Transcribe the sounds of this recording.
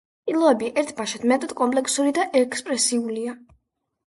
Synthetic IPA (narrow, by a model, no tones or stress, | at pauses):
pʼilˠɔɛbiʔɛɾt̪ʰbaʃat̪mɛt̪ʼɔd̪kʼɔmpʼlɛkʰsuɾid̪aʔɛkʰspʼɾɛsiulia